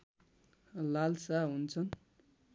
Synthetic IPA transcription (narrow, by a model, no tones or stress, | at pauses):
lalsaɦunt͡sʰʌn